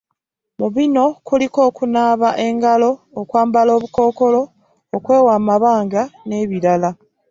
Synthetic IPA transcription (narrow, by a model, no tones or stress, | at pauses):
muβino̞kuliko̞ːkunaːβaʔe̞ŋɡalo̞ːkwaːmbalo̞ːβuko̞ːko̞lo̞ː | kwe̞ːwaːmaβaːŋɡane̞ːβiɾala